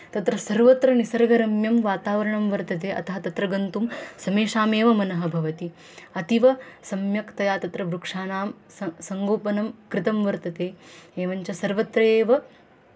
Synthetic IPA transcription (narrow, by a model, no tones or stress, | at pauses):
t̪ɐt̪ɾɐsɐɾʋɐt̪ɾɐnisɐɾɐɡɐɾɐmjɐmʋaːt̪aːʋɐɾɐɳɐmʋɐɾt̪ɐt̪̬eːʔɐ̰t̪ɐɦɐt̪ɐt̪ɾɐɡɐnt̪umsɐmeːʃaːmeːʋɐmɐnɐɦɐ̆bʱɐʋɐt̪i | ɐt̪iʋɐsɐmjɐkt̪ɐjaːt̪ɐt̪ɾɐʋɾukʂaːnaːm | ssɐŋɡoːpɐnɐmkɾɪt̪ɐmʋɐɾt̪ɐt̪eːeːʋɐɲt͡ʃɐsɐɾʋɐt̪ɾɐeːʋɐ